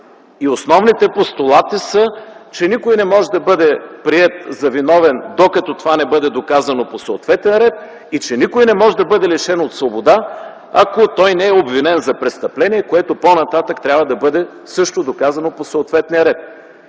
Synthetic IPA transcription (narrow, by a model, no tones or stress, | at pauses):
iosnɔvnit̪ɛpost̪olˠat̪isət͡ʃɛnikojnɛmɔʒɛd̪ɐbɤd̪ɛpɾiɛt̪zɐvinɔvɛnd̪okɐt̪ɔt̪ovanɛbɤd̪ɛd̪okazɐnoposooːt̪vɛt̪ɛnɾɛt̪̚ | it͡ʃɛnikojnɛmɔʒɛd̪ɐbɤd̪ɛliʃɛnot̪svobod̪a | ɐ̰kot̪ɔjnɛɛobvinɛnzɐpɾɛst̪ɐplɛniɛkoɛt̪oponɐt̪at̪əkt̪ɾʲabvɐd̪ɐbɤd̪ɛ | sɤʃt̪od̪okazɐnoposoot̪vɛt̪nijəɾɛt̪̚